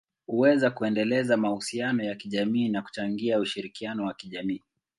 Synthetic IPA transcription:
huwɛzakuɛndɛlɛzamahusianɔjakiʄamiːnaku̥t͡ʃaŋɡiauʃiɾikianɔwakiʄamiː

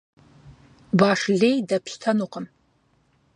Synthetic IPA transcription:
baːʂɮejdɐpʰɕtʰɐnuqəm

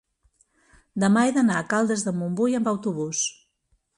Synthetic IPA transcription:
d̪əmaeðənaəkalˠd̪əzðəmumbujəmbəwt̪uβ̞us

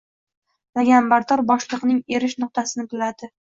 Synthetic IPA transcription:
naɡʲambaɾt̪ʰɒɾbɒʃlˠɨqnɪŋe̞ɾɪʃnʊq̚t̪ʰasɪnɪbɪlad̪ɪ

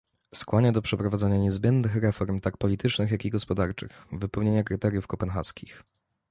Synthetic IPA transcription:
skwaɲad̪ɔpʂɛpɾɔvad̪zɛɲaɲɛzbʲjɛnd̪nɘxɾɛfɔɾmt̪ak̚pɔlʲit̪ɘt͡ʂnɘxjakiɡɔspɔd̪aɾt͡ʂɘ̰xvɘpɛwɲeɲakɾɘt̪ɛɾʲjufkɔpɛnxa̰skʲix

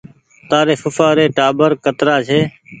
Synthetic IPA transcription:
t̪aːɾeːfʊfaːɾeːʈaːbəɾkət̪ɾaːt͡ʃʰeː

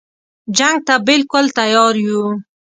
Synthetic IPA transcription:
d͡ʒaŋɡ̚t̪abɪlkʊlt̪ajɑɾju

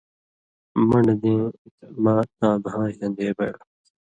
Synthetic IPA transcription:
mɐɳd̪ẽːt̪mãːt̪̚ãːbʱãːɦilɐ̃nd̪eːbɐɽ

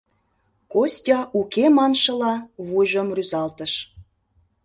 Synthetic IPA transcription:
kosʲtʲɑʔukemɑnʃə̆lɑβujʒə̆mryzɑlt̪ə̆ʃ

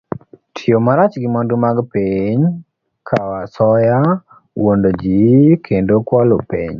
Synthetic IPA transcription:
tʰiomaɾat͡ʃɡɪmɔndumaɡpiɲ | kʰawasɔja | wondod͡ʒikʰendokwalopḭɲ

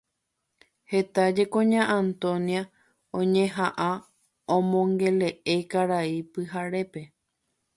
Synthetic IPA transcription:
he̞t̪ad͡ʒe̞kõɲãʔãnt̪õnia | õɲẽ̞ɦaʔã | õmõ̞ŋɡe̞le̞ʔe̞kaɾaipɨɦaɾe̞pe̞

